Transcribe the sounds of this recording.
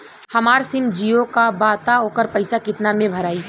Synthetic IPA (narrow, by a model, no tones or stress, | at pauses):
hɐmaːɾsɪmd͡ʒijokabaːt̪aoːkəɾpɐɪsakɪt̪namẽbʱɐɾaːi